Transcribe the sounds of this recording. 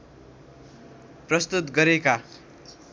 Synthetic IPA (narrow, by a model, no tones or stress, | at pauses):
prʌst̪ut̪ɡʌɾeka